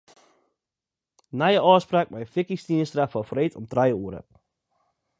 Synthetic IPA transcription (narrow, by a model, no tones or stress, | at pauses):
najəʔɑːspraːk̚mɛjəfikistinəstrafɔfɔɾetɔmtrajəuːəɾə̰